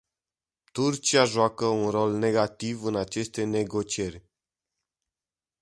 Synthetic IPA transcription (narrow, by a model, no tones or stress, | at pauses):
t̪urt͡ʃiaʒoakəunro̞lne̞ɡat̪ivɨnat͡ʃe̞st̪e̞ne̞ɡo̞t͡ʃierʲ